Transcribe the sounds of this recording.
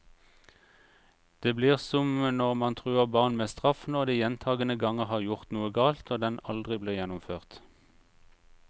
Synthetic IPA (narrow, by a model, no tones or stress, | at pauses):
d̪̥eːbliːʁsɔmnɔʁmɑnt̪ʰʁʉːəʁbɑːʁnmeːst̪ʁɑfnɔʁd̪iːjɛnt̪ʰɑːɡənəɡɑŋəʁhɑːʁjʊʁt̪nuːəɡɑːlt̪oːd̪ɛnɑld̪ʁɪbliːjɛnʊmføːʁt̪